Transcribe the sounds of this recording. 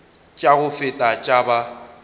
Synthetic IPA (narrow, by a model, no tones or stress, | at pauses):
t͡ʃʼaɣʊfɪtʼat͡ʃʼaba